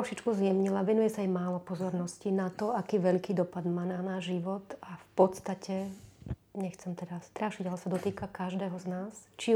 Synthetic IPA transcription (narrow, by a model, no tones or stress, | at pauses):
t̪ɾɔʃit͡ʃkuzjɛmɲilaʋɛnujɛsaajmaːlɔpɔzɔɾnɔscinat̪ɔakiːʋɛʎkiːd̪ɔpad̪maːnaːnaːʒʒiʋɔt̪afpɔt̪st̪acʰɛ | ɲɛxt͡sɛmt̪ɛd̪ast̪ɾaʃiɟalɛsad̪ɔt̪iːkakaʒd̪ɛːɦɔznaːst͡ʃi